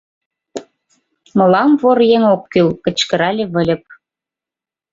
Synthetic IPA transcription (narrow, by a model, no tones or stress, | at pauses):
mɤ̆lɑmvorjeŋokːylkə̆t͡ɕkə̆ɾɑlʲeβə̆lʲə̆p̚